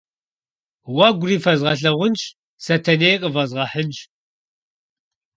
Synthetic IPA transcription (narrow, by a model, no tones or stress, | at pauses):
wɐɡʷʊriːfɐzʁɐɬɐʁʷʊnt͡ʃ | sɐtʰɐnejqʼəvɐzʁɐħənt͡ʃ